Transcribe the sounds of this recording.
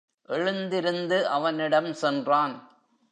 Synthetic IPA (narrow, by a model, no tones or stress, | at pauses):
ʔɛɻɯnd̪ɪɾɯnd̪ɯʔɐʋɐnɪɽɐmsɛndraːn